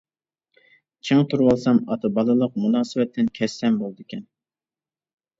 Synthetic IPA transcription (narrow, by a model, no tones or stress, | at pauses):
t͡ʃʰeŋt̪ʰuɾwɑlˠsɑmɑt̪ʰɨbɑlˠɨlˠəq̚munɑːsɨwɛt̪ʰːɪnkʲʰɛsːɛmbolˠd̪ɨkʲɛn